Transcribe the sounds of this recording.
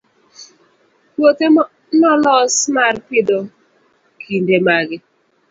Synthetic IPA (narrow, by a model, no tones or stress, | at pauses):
wote | nɔlɔsmarpɪdɔ | kʰindemaɡɪ